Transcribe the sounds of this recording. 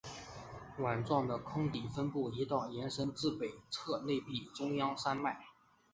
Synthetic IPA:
wa˨˩nʈ͡ʂwɑ˥˩ŋd̪ə˩kʰʊ˥ŋt̪i˨˩fə˥npu˥˩i˧˥t̪ɑ˥˩ʊjɛ˧˥nʂə˥nt͡sɹ̩˥˩pe˨˩ɪt͡sʰɤ˥˧le˥˧ɪpi˥˩ʈ͡ʂʊ˥ŋjɑ˥ŋsa˥nma˥˩ɪ

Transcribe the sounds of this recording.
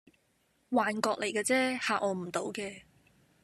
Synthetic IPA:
waː˨nkɔː˧k̚le˨˩jkaː˧t͡sɛː˥haː˨˧ʔɔː˨˧m̩˨˩t̪o˨˥wkɛː˧

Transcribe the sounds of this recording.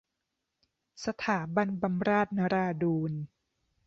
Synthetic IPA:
sa˧t̪ʰaː˩˦ba˧nba˧mɾaː˥˩t̪̚na˧ɾaː˧duː˧n

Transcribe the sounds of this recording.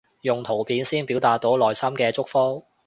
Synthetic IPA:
jʊ˨ŋt̪ʰo˨˩wpʰiː˨˥nsiː˥npi˨˥wt̪aː˨t̚t̪ːo˨˥wlɔː˨jsɐ˥mkɛː˧t͡sʊ˥k̚fɔː˥

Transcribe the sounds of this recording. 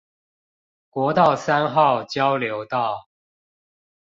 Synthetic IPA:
kwɔ˧˥t̪ɑ˥˨ʊsa˥˦nxɑ˥˨ʊt͡ɕjɑ˦ʊljo˧˦˥ʊt̪ɑ˥˨˩ʊ

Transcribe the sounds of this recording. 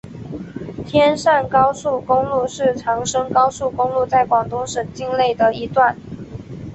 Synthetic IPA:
t̪ʰjɛ˥nʂa˥˩nkɑ˥ʊsu˥˩kʊ˥ŋlu˥˧ʂɻ̩˥˩ʈ͡ʂʰɑ˧˥ŋʂɤ˥ŋkɑ˥ʊsu˥˩kʊ˥ŋlu˥˧t͡sa˥˩ɪkwɑ˨˩ŋt̪ʊ˥ŋʂə˨˩ŋt͡ɕi˥˧ŋle˥˩ɪd̪ə˩i˧˥t̪wa˥˩n

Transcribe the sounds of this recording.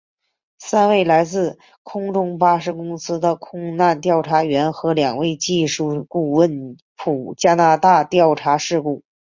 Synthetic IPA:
sa˥nwe˥˩ɪla˧˥ɪt͡sɹ̩˥˩ | kʰʊ˥ŋʈ͡ʂʊ˥ŋpa˥ʂɻ̩˧˥kʊ˥ŋsɹ̩˥d̪ə˨kʰʊ˥ŋna˥˧nt̪̬jɑ˥˩ʊʈ͡ʂʰa˧˥ɥɛ˧˥nxɤ˧˥ljɑ˨˩ŋwe˥˧ɪt͡ɕi˥˧ʂu˥˧˩ku˥˧wə˥˩n | pʰu˨˩t͡ɕja˥na˧˥t̪a˥˧t̪jɑ˥˩ʊʈ͡ʂʰa˧˥ʂɻ̩˥˧ku˥˩

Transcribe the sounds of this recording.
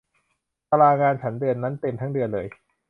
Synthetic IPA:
t̪a˧laː˧ŋaː˧nt͡ɕʰa˦˥ndɯ˧ənːa˦˥nt̪e˧mt̪ʰa˦˥ŋdɯ˧ənlɤː˧j

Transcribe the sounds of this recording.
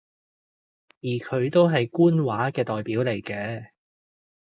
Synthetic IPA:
jiː˨˩kʰɵ˨˧ɥt̪o˥wɦɐ˨jkuː˥nwaː˨˥kɛː˧t̪ɔː˨jpiː˨˥wle˨˩jkɛː˧

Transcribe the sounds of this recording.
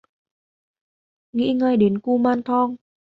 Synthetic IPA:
ŋḭ˧˥ŋəː˧˩jɗe˨˦nku˧maː˧nt̪ʰɔ˧ŋ

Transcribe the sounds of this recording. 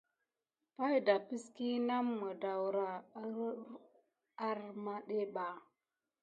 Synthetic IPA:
pa˦jda˨pi˦ski˦na˦mːə˨da˨wɾa˨˦ɾ | a˦ɾma˦ɗe˦ɓa˨

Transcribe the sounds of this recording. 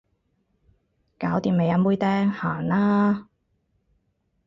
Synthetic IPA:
kaː˨˥wt̪iː˨me˨˧jɐ˨˧˥muː˥jt̪ɛː˥ŋhaː˨˩naː˥

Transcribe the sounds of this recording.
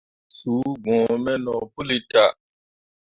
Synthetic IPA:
suː˨˦ɡ͡bɔ̃ː˨mɛ˦nɔ˨pu˦li˨ta˨

